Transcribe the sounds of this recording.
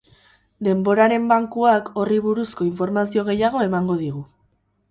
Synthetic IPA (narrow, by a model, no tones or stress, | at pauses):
d̪e̞mbo̞ɾaɾe̞mbaŋkuako̞riβ̞uɾusko̞iɱfo̞ɾmasio̞ɣ̞e̞jaɣ̞o̞e̞maŋɡo̞ð̞iɣ̞u